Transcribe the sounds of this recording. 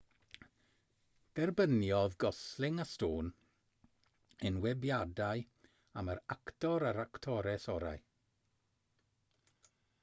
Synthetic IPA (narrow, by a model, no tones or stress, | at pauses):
d̥ɛrbənjɔðɡɔslˠɪŋastoːn | ənwɛbjadaj | aməɾaktɔɾaɾaktʰɔɾɛsɔɾa̰j